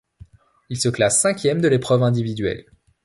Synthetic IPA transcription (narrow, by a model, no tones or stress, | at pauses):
ilsəklasːɛ̃kʲjɛmd̪əlepχœvɛ̃d̪ivid̪ɥɛ̰l